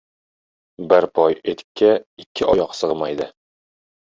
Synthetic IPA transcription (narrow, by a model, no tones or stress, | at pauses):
bɘɾpʰɒjet̪kʲːæikʲʰːɪʔɒjɒqsɤʁmajd̪ɪ